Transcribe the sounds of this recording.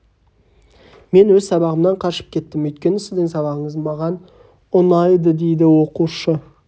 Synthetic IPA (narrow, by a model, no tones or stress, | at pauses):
me̞nwɵzsɑbɑʁəmnɑɴqʰɑʃə̥p̚kʲʰe̞t̪ːɪmɵjt̪̚kʲe̞nɪsɪzd̪ɪŋsɑβɑʁəɴəzmɑʁɑn | ʊnɑjd̪əd̪e̞jd̪ɪwo̞quʃə